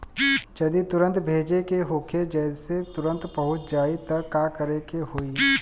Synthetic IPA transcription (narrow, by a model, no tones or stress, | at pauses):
d͡ʒɐd̪it̪ʊɾə̃nt̪bʱeːd͡ʒekeɦoːkʰed͡ʒɛːd̪set̪ʊɾə̃nt̪pɐɦʊt̪d͡ʒaːit̪ɐːaːkɐɾekehoːiː